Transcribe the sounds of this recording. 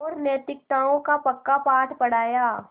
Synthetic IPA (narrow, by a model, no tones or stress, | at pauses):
ɔːɾnɛːt̪ɪk̚t̪aːõkapɐkːapaːʈʰpɐɽ̤aːjaː